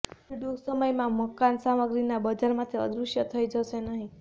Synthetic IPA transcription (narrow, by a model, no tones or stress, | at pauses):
iɖusəməjmãməkansaməɡɾinabəd͡ʒaɾmãt̪ʰiə̰d̪ɾuʃjət̪ʰəid͡ʒəʃenəɦĩ